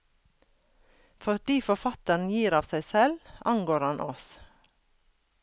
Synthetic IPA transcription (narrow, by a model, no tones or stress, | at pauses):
fɔɖiːfɔfɑt̪əɳ̩n̩jiːɾɑːʋsæɪsɛlɑ̰ŋɡoːɾhɑnʔɔs